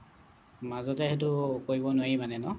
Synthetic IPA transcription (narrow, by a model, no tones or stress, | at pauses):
mazɔtɛhet̬ʊkoɹibɔnoimanɛnɔ